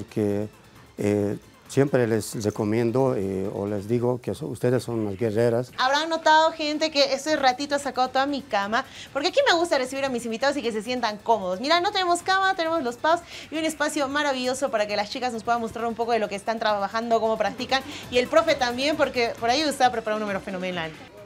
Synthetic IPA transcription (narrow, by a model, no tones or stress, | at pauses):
poɾke | e | sje̞mpɾelesreko̞mjẽ̞nd̪oeo̰lezd̪iɣokesṵst̪e̞ðesːo̞nnazɡereɾasaβɾaŋno̞t̪aðo̞xe̞nt̪e̞ke̞est̪oesrat̪it̪o̞asakaðot̪oðamikamapo̞ɾkeakime̞ɣ̞ust̪are̞siβiɾamisimbit̪aðo̞sike̞s̬esje̞nt̪aŋko̞moðosmiɾano̞t̪ene̞mo̞skamanot̪ene̞mozlo̞spaosiune̞spasjo̞maɾaβiʝo̞so̞paɾake̞last͡ʃikaznospwe̞ðanmo̞st̪ɾaɾumpo̞ko̞ð̞e̞lo̞keːst̪ant̪ɾaβaβaxand̪oko̞mo̞pɾak̚t̪ikanie̞lpɾo̞fe̞t̪ambje̞mpo̞ɾke̞po̞ɾaiust̪eapɾepaɾaunːumeɾofeno̞menal